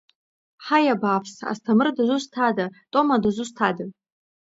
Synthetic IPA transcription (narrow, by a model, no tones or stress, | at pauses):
ħajabaːpʰsa̰stʰamɨrdazʷustʰadatʼo̞madazʷustʰada